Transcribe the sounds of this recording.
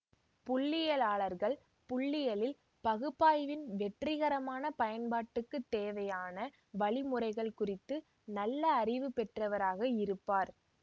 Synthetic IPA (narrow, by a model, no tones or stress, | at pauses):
pʊɭːɪjɐlaːɭɐɾɣɐɭ | pʊɭːɪjɐlɪl | pɐɣɯpːaːjʋɪnʋɛʈrɪɣɐɾɐmaːnɐpɐjɐnbaːʈːɯkːɯt̪ːeːʋɐjaːnɐ | ʋɐɭɪmɯrɐɪɣɐɭkʊrɪt̪ːɯ | nɐlːɐːrɪʋɯpɛʈrɐʋɐɾaːɣɐɪɾɯpːaːɾ